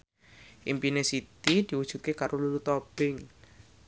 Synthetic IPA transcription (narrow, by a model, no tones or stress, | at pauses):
ʔḭmpinesit̪id̪̥iwud̥ʒ̥ṳt̪̚kekaɾʔolulut̪ɔb̥ɪŋ